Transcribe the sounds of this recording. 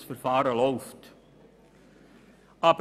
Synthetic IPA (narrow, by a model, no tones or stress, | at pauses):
sfərfɑːɾəlɔwft | ɐp